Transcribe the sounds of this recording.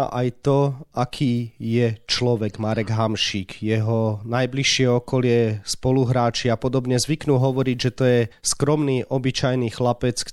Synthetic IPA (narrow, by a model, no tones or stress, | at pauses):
ʔajt̪ɔʔakʰiːjɛt͡ʃlɔʋɛɡmaɾɛɡɦamʃiːkjɛɦɔnajbliʃɪɛɔkɔlɪɛspɔluɦɾaːt͡ʃiapɔd̪ɔbɲɛzʋiknuːɦɔʋɔɾiɟʒɛt̪ɔjɛskɾɔmniːʔɔbit͡ʃajniːxlapɛt͡sk